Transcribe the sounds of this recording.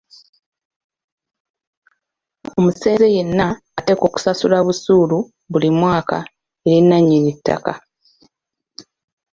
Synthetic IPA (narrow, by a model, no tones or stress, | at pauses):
o̞muse̞ːze̞je̞nːaː | te̞ko̞ːku̥sasulaβusuːlu | βulimwaːka̰ | e̞ɾinːaɲːinitːa̰ka